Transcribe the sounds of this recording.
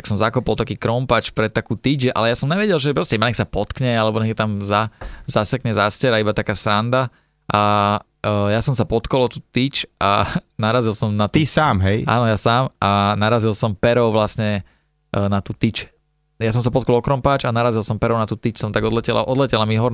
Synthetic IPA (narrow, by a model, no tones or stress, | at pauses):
t̪aksɔmzakɔpɔlˠt̪akiːkɾɔmpaːt͡ʃpɾɛt̪t̪ːakuːt̪id͡ʒʒɛʔa̰lɛjasɔmɲɛʋɛɟɛlʒɛpɾɔscɛimbaɲɛksapɔt̪kɲɛalɛbɔɲɛt̪amzazasɛkɲɛzascɛɾaibat̪akaːsɾand̪a | ʔa | jasɔmsapɔt̪kɔlˠɔt̪uːt̪it͡ʃʔanaɾazilsɔmnaisaːmɦɛjʔa̰ːnɔjasaːmanaɾazilˠsɔmpɛɾɔʊʋlasɲɛ | nat̪uːt̪it͡ʃ | jas̬ɔ̃msapɔt̪kɔlˠɔkɾɔmpaːt͡ʃanaɾazilˠsɔmpɛɾɔʊnat̪uːt̪it͡ʃsɔmt̪aɡɔd̪lɛcɛla̰ʔɔd̪lɛcɛlamiɦɔɾ